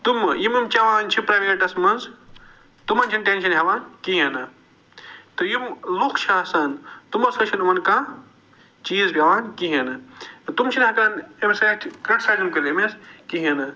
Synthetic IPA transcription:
t̪umjimɐmt͡ʃɐʋaːnt͡ʃʰipɾɐːʋeːʈɐsmɐnz | t̪umɐnt͡ʃʰɐnʈenʃʰɐnɦɐʋaːnkiɦɐnɨ | t̪ɨjimlukt͡ʃʰaːsɐnt̪umɐsɐt͡ʃʰɐnɐmɐnkã | t͡ʃiːzbʲaʋaːnkiɦɐnɨt̪umt͡ʃʰinɦɐkaːnemsaːt͡ʃʰkɐʈsaːzimkɐlemeskiɦɐnɨ

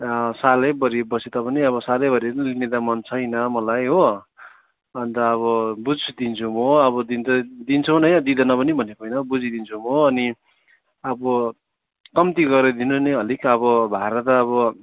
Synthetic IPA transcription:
salʌbʌɾibʌset̪ʌpʌniʌβʌsalʌjbʌɾiɾʌlinet̪amʌnt͡sʰʌjnʌmʌlajɦo | ʌnt̪ʌːβʌbud͡zʰd̪int͡sʰumoʌβʌd̪int̪ʌd̪int͡sʰʌwnʌjnʌd̪id̪ʌnʌpʌnibʱʌnekʰʌjnʌbud͡zid̪int͡sʰumoʌni | ʌbʌ | kʌmt̪iɡʌɾʌd̪inuneɦʌlikʌβʌbʱaɾʌt̪ʌːβʌ

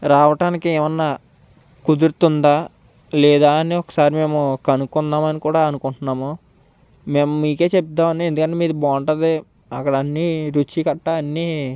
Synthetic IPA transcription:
ɾaːʋɐʈaːnikieːmɐnːaː | kud̪uɾt̪und̪aː | lɛːd̪aːɐniɔkɐ̥saːɾimeːmukɐnukːunːaːmɐnikuːɽaːɐnukuɳʈunːaːmo | meːmɐmiːke̞ːt͡ʃep̚t̪ːaːmɐneend̪ukɐɳʈeːmiːɾubaːɳʈɐd̪e | ɐkːɐɽɐnːiɾut͡ʃikɐʈːaɐnːiː

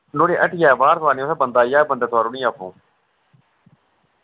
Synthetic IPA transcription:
noːɽeːʔəʈʰjaːʋaːɾt̪ʋaːneːoːt̪ʰaːbənd̪aːjaːbənd̪aːt̪ʰʊaːɾoːnĩːaːpʰṵ̃ː

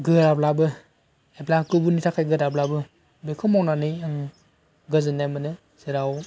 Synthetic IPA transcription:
ɡɯɾablabɯ | eblakɯbunitʰakʰajɡɯɾablabɯ | bekʰɯmɔwnanɯjɯŋ | ɡɯzɯnamɯnɯ | z̥ɯɾaw

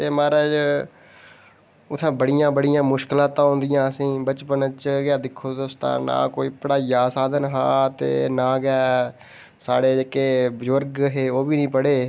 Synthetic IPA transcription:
t̪eːmaːɾəːd͡ʒ | ʊt̪ʰːãːbəɽɪjãːbəɽɪjãːmʊʃkɪlaːt̪ãːɦʊ̃ːnd̪ɪjãːəsĩːbət͡ʃpənət͡ʃɡaːd̪ɪkʰːoːd̪oːst̪ã̰ːnã̰ːkoːiːpəɽaːijaːsaːd̪ənɦãːt̪ḛːnãːɡɛː | saːɽeːd͡ʒeːkeːbd͡ʒəɾɡɦeːoːbiːnĩːpəɽeː

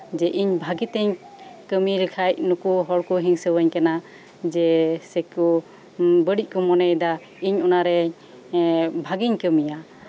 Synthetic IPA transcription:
d͡ʒɛʔiɲbʱaɡit̪ɛɲ | kəmilikʰajʔ̚nukuɦɔɽkuɦiŋsəwəɲkana | d͡ʒɛsɛku | bəɽic̚ˀkɔmɔnɛjd̪a | iɲɔnaɾɛ | bʱaɡiɲkəmija

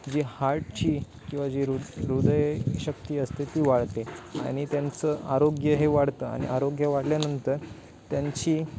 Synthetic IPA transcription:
d͡ʑihaɾʈt͡ɕiː | kĩw̃ʋad͡ʑiɾuɾud̪əjɕəkt̪iːəst̪et̪iːʋaɽ̤t̪ea̰ɽ̃it̪jant͡səʔaɾoɡjəɦeʋaɽt̪əːa̰ɽ̃ḭʔaɾoɡjəʋaɽljanənt̪əɾ | t̪jaɲt͡ɕiː

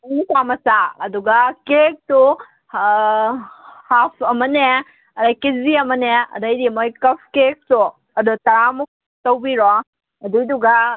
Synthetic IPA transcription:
nitamɐsaɐduɡɐkek̚tu | hapʰɐmɐne | ɐdajkiziɐmɐneɐ̰dɐjdimojkɐpʰkek̚tu | ɐdutɐɾamuk̚ | tɐwbiɾɔ | ɐdujduɡa

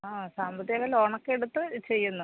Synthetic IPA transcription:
aːsaːmbʱɐðjɐɣɐlo̞ːɳɐkːeeɽut̪ːɨt͡ɕe̞jːunːɐ

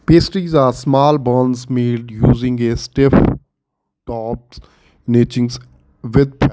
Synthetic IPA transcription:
peːsʈɾiːzaːɾsmaːlbənzmeːɖjuːzɪ̃ŋɡesʈɪf | ʈɔːp̚ | neːt͡ʃɪ̃ŋɡs | ʋɪd̪̚pː

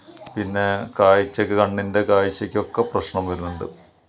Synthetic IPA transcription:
pinːe̞kaːjit͡ɕːɐkʲːɨkɐɳːinde̞kaːjit͡ɕːɐkʲːo̞kːɐprɐɕɳɐmʋɐɾunːuɳɖɨ̰

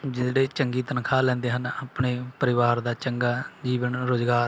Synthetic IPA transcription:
d͡ʒɪt̪ɽeːt͡ʃəŋɡiːt̪ənkʰaːlɛ̃ːnd̪eːɦənaːpɳeːpəɾɪʋaːɾd̪aːt͡ʃəŋɡaːd͡ʒiːʋənɾoːzɡaːɾ

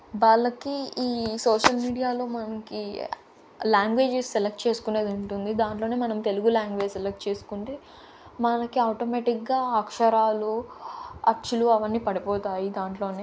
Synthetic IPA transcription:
ʋɐlɐkiiːsoːʂɐlmiːɽijaːlo̞ːmɐnɐki | laːŋɡʋe̞ːd͡ʒisːelek̚ʈ̚t͡ʃe̞ːsu̥kune̞ːd̪uɳʈund̪id̪aːɳʈ̬lo̞ːne̞ːmɐnɐmt̪eluɡulaːŋɡʋe̞ːd͡ʒselek̚ʈt͡ʃe̞ːsu̥kuɳʈeː | mɐlɐkiɐwʈoːmeːʈikɡaːakʂɐɾaːlu | ɐɾt͡ʃuluɐʋɐnːiːpɐɽipɔːt̪aːjid̪aːɳʈlo̞ːneː

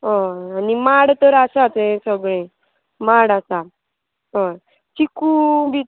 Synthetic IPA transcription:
ɦoanimaɽt̪əɾasat͡sẽsəɡɭẽ | maɽasa | ɦo | t͡ɕikubʱi

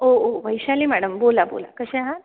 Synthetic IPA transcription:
ooʋəjʃalimæɽəmboːlabo̰ːla̰kəʃeɦã

